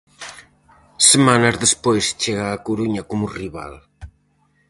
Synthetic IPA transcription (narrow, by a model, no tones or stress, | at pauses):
semanazðespojst͡ʃeɣaːkuɾuɲɐkomuriβa̰l